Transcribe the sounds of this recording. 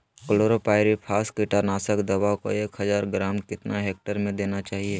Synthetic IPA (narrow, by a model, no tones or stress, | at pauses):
kəloːɾopaːɪɾipʰaːskɪʈaɾnaːsəkd̪ɐbaːwko̰eːkɦɐzaːɾɡɾaːmkɪt̪naɦeːk̚ʈəɾmẽd̪eːnat͡ʃaːɦieː